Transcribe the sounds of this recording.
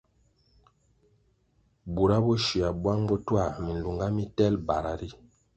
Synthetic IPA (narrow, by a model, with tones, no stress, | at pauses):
bu˨ɾa˦bɔ˦ʃi˨a˨bwa˦ŋbɔ˦twa˦˨mi˨n˨lu˨ŋɡa˦mi˦tɛ˦lba˨ɾa˨ɾi˦